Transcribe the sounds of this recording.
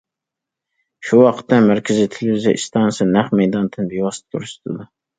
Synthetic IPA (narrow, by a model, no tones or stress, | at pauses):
ʃuwɑqʰə̥t̪ːɛmæɾkʲʰɪzit̪ʰɪlɪviziʔist̪ʰɑnsɨnæχmɛjd̪ɑnt̪ʰɨnbiwɑst̪ʰuɾɨʃt̪ɨd̪u